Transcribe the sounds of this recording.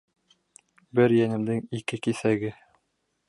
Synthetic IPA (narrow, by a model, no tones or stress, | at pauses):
bɘɾjænɘ̆md̪ɘŋikɘkisæɡɘ